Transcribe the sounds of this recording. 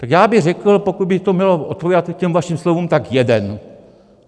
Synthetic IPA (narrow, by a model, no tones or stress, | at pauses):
t̪akjaːbɪɣrɛkl̩po̞kud̪̚bɪt̪omɲɛloʔot̪̚poviːdat̪cɛmvaʃimslovuːmt̪akjɛdɛn